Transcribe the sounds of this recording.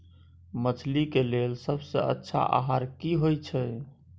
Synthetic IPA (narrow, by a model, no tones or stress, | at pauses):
mət͡ʃʰlikelelsəbsə̰ə̰tːʃʰa̰ʔa̰ɦaɾkiɦojt͡ʃʰɛ